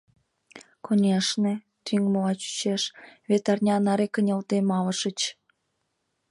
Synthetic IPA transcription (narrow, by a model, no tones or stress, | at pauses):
kʰonʲeʃne | t̪yŋmoɑt͡ɕy̥t͡ɕeʃβʲet̪ɑrnʲɑnɑɾekə̆nʲelt̪emɑlə̆ʃə̆t͡ɕ